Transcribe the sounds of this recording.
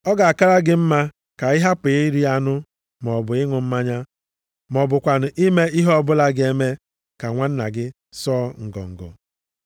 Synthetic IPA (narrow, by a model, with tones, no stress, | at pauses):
ɔ˦ɡa˨a˨ka˦ɾa˦ɡɪ˦m̩˦ma˦ | ka˨ɪ˦ɦa˦pe˨ɪ˦ɾi˦a˦nʊ˦ | m˨ɔ˨bʊ˨ɪ˦ŋʷʊ˨m̩˦ma˦ɲa˦ | mɔ˨bʊ˨kʷa˨n̩˨ʔi˦me˦i˦ɦɔ˦bʊ˦la˦ɡe˦me˦ | ka˨ŋʷa˦n̩˦na̰˨ɡɪ˦ | sɔː˦ŋ̩˨ɡɔ̰˨ŋ̩˨ɡɔ̰˨